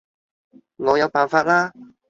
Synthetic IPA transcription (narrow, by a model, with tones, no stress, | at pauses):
ŋɔː˨˧jɐ˨˧wpaː˨˩nfaː˧t̚laː˥